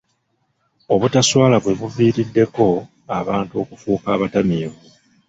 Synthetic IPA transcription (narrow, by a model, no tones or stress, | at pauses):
o̞βutaswaːlaβwe̞βuviːɾidːe̞ko̞ | aβaːntuo̞kufuːkaːβatamiːβu